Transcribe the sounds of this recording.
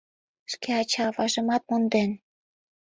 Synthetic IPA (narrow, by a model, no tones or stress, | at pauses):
ʃkeɑt͡ɕɑvɑʒə̆mɑt̪̚mond̪en